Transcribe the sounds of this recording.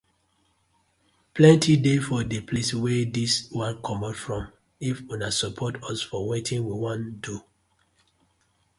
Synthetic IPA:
plɛ̃ntʰidefɔdepʰleswɛdiswãnkʰɔmɔtfɹɔ̃m | ifunasɔpʰɔtɔsfɔwetĩnwiwɔ̃ndu

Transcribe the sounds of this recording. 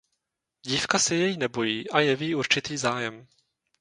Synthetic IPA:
ɟiːfkasɛjɛjinɛbo̞jiːʔajɛviːuɾt͡ʃɪt̪iːzaːjɛm

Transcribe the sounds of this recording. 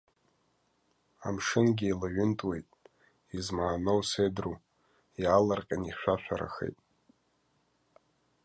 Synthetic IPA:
a̰mʂɨnɡʲiilaɥʏntʼwe̞jtʼ | izmaːnowsedru | jalarqʲʼaniχʃʷᶣaʃʷʰᶣaɾa̰xḛjtʼ

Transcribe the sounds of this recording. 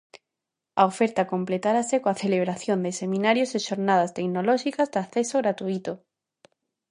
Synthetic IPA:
aofeɾt̪akomplet̪aɾasekoaθeleβ̞ɾaθjond̪esemĩnaɾjoseʃoɾnað̞ast̪eknolɔʃikazd̪aθesoɣɾat̪uit̪o

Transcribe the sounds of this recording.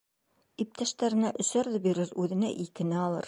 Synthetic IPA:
ip̚t̪æʃt̪æɾɘ̆næʔɵ̆sæɾðɤbiɾɘɾʉðɘ̆næ̰ʔikɘ̆nɘɑlˠɤ̰ɾ

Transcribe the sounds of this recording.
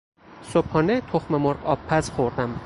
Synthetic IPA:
sophɒnet̪ʰoχmemoɾɒpʰːazχoɾd̪am

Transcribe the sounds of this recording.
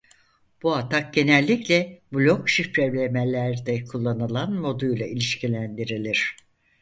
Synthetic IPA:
b̥uat̪ʰak̚ɟe̞nælʲːiclʲɛbulʲo̞kʃipɾeblʲemelʲæɾd̪ɛkʰulˠːanɯlˠanmo̞d̪ujlˠailʲiʃcʰilʲænd̪iɾilʲiɾ̥

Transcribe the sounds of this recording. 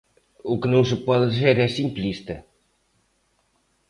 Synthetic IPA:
ukɨnɐ̃w̃s̬ɨpɔðɨðizeɾɛsĩmplˠiʃt̪ɐ

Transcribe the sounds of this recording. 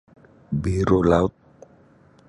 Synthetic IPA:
beɾolat̪̚

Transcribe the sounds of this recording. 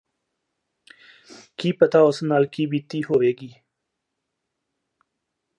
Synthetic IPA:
kiːpət̪aːosnaːlkiːbiːt̪iːɦoːʋeːɡiː

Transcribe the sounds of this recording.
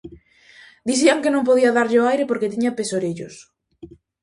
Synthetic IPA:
d̪iθ̬iaŋkenõmpoðiaðaɾʎɪoajɾepoɾket̪iɲapesoɾeʎʊs

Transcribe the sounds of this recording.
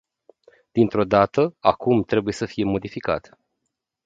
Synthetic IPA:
d̪̥int̪ɾo̞d̪at̪əakumt̪ɾe̞buje̞səfije̞mo̞d̪ifika̰t̪

